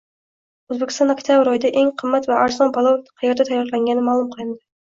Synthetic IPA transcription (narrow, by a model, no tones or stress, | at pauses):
øzbɪkʲi̥sɑnɑkʲt̪ʰjɑbɪɾojd̪ɛʔeŋqʰəmːɛt̪vɛʔɑɾzɑnbɑlˠɑw̪qʰɑjɑɾd̪ɛt̪ʰɛjːɑɾlˠɛŋʲɡʲɛnːɪmɑːlˠumqʰəlˠɨnd̪ɨ